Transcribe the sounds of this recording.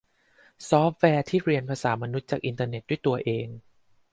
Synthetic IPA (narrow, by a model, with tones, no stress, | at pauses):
sɔː˦˥p̚wɛː˧t̪ʰiː˥˩ɾi˧ənpʰaː˧saː˩˦ma˧nu˦˥t̪̚t͡ɕaː˨˩k̚ʔi˧nt̪aː˧ne˨˩t̪̚du˥˩əjt̪u˧ɐʔeː˧ŋ